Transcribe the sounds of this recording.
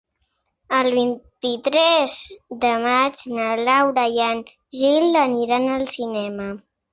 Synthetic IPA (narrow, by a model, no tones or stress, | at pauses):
əlˠβint̪it̪ɾɛzðəmad͡ʒnəlawɾajan | ʒiləniɾanəlˠsinɛmə